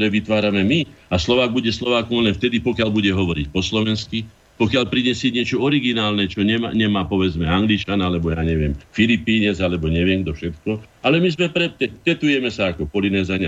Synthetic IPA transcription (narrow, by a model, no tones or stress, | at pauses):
t̪ɔɾɛːʋit̪ʋaːɾamɛmiaslɔʋaːɡ̚buɟɛslɔʋaːkɔmlɛnft̪ɛd̪ipɔkɪaʎbuɟɛɦɔʋɔɾicpɔslɔʋɛnski | pɔkɪaʎpɾiɲɛsɪɛɲɪɛt͡ʃɔɔɾiɡinaːlnɛt͡ʃɔɲɛma̰ɲɛmaːpɔʋɛd͡zmɛaŋɡlit͡ʃanalɛbɔjaːɲɛʋɪɛmfilipiːɲɛd͡zalɛbɔɲɛʋɪɛmɡd̪ɔfʃɛt̪kɔ | alɛmizmɛpɾɛt̪ɛt̪ɛt̪ujɛmɛsaakɔpɔlinɛːzaɲa